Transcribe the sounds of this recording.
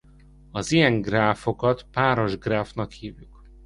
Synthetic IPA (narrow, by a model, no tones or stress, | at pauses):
ɒzijɛŋɡraːfo̞kɒt̪paːɾo̞ʒɡraːfnɒkhiːvjuk